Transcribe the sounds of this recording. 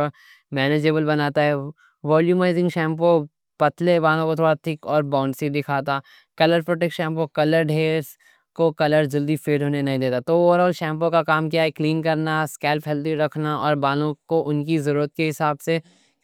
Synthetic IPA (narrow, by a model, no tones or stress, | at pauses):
mɛːned͡ʒeːbəlbɐnaːt̪aɦɛ | ʋɔːljuːmaːɪzɪ̃ŋɡʃɛ̃ːmp̬o | pɐt̪lebaːlõkot̪ʰoːɽat̪ʰɪkɔːɾbãːʊ̃ɳɖsid̪ɪkʰaːt̪a | kɐləɾpɾoːʈekʃɛ̃ːmpokɐləɾɖɦeːɾs | kokɐləɾd͡ʒɐld̪ifeːɖɦoːnenɐɦĩd̪eːt̪at̪ooːʋəɾɔːlʃɛ̃ːmp̬õkakaːmkijaɛkliːnkɐɾnaskɛːlpɦɛld̪iɾɐkʰnaɔːɾbaːlõkoʔʊnkizɐɾuːɾət̪̚keɦɪsaːbse